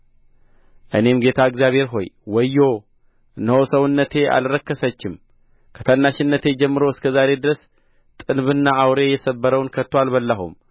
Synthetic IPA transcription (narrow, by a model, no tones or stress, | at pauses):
ʔɨne̞mɡe̞t̪ʰaɨɡzjaβhe̞ɾɦo̞̰jwɔjːo | ʔɨnːəhosəwɨnːət̪ʰe̞ʔa̰lɾəkːəsət͡ʃːɪm | kʰə̥t̪ʰənːaʃɪnːət̪ʰe̞d͡ʒɛmːɨɾo̞ɨskʰəzaɾe̞d̪ɨɾəs | t̪ʼɨnβɨnːaʔawɾe̞jɛsəbːəɾəwnkʰət̪ʰːoalbəlːəɦṵm